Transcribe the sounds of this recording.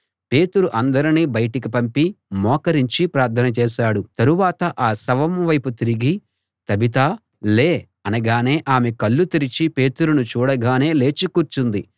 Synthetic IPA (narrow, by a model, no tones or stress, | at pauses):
pe̞ːt̪uɾuʔɐnd̪ɐɾiniːbɐjʈik̬ipɐmpimɔːkɐɾiɲt͡ʃipɾaːɾt̪ʰːɐnɐt͡ʃɛːʃaːɽut̪ɐɾuʋaːt̪ɐʔaːsɐʋɐmʋɐjput̪iɾiɡi | t̪ɐbit̪aː | leː | ɐnɐɡaːne̞ːʔaːmekɐɭːut̪iɾit͡ʃipe̞ːt̪uɾunut͡ʃuːɽɐɡaːne̞ːle̞ːt͡ʃikuːɾt͡ʃund̪i